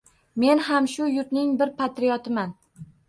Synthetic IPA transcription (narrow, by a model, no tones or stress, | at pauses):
me̞nhamʃʊjʊt̪nɪŋbɪɾpʰat̪ɾijɒt̪ʰɪman